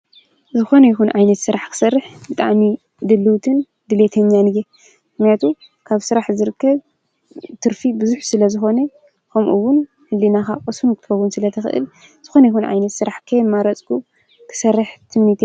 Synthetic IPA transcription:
zɨxo̞nɐjixunʕajnɐt̪sɨɾaħkʰɨ̥sɐrːɨħbɨt̪ʼa̰ʕmi | d̪ɨlːɨwt̪ʰɨn | d̪ɨle̞t̪ʰɐɲːanɨje | mɨxnijat̪ʰu | kʰaβsɨɾaħzɨɾɨkːɐβ | t̪ʰɨɾfibɨzuħsɨlɐzɨxo̞ne | kʰɐmʔṵwʊn | hɨlːinaxakʼɐsunk̪ʰɨfɐwunsɨlɐt̪ʰɐxɨ̰ʔɨ̰l | z̥ɨxo̞nɐjixunʕa̰jnɐt̪sɨɾaħkʰɐjmːaɾɐt͡sʼkʰu | kʰɨ̥sɐrːɨħt̪ʰɨmnit̪ʰe

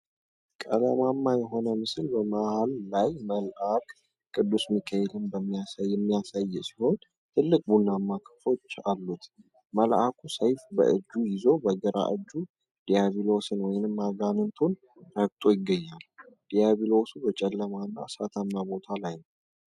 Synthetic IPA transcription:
kʼəlamamːajɛɦo̞nəmɨsɨlbəmahalːajməlʔakʼ | kʼːɨd̪ːusmikʰːəjɛlɨmbəmːijasajːɛmːijasajːɛsi̥ho̞n | t̪ʰɨlːɨkʼbunːamːakʰə̥fo̞t͡ʃːalːut̪ | məlʔakʰusəjfbə̰ʔɨd͡ʒːujɪzo̞bəɡəɾa̰ʔɨd͡ʒːu | d̪̥ijaβilo̞sɨnwɔjɪnɨmːaɡanɨnt̪ʰon | ɾək̚t̪ʼojɪɡːəɲːal | d̪̥ijaβilo̞subət͡ʃʼɛlːəmanːa̰sat̪ʰamːabo̞t̪ʰalajnəw

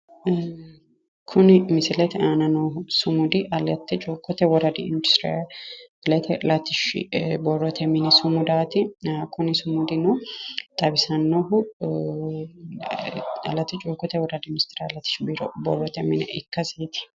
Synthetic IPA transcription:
kʰʊnɪmɪsɪlɛt̪ɛaːnɐnohʊsʊmʊd̪ɪʔɐlɐt̪ːɛt͡ʃʼuːkːɔt̪ːɛwɔɾɐd̪ɪɪnd̪ʊst̪ɾ̰ | ɪlɛt̪ʰɛlɐt̪ɪʃbɔrːɔt̪ʰɛmɪnɛsʊmʊd̪aːt̪ɪakʰʊnɪsʊmʊd̪ɪnɔt̪ʼɐbɪsɐnːɔɦʊ | ɐ̰lɐt̪ːɪt͡ʃʼuːkːɔt̪ɛwɔɾɐd̪ɪmɪst̪ɪɾalɐt̪ːɪ̥ʃbiɾɔbɔ̰rːɔt̪ɛmɪnɛ̰ʔɪkːɐseːt̪ɪ̥

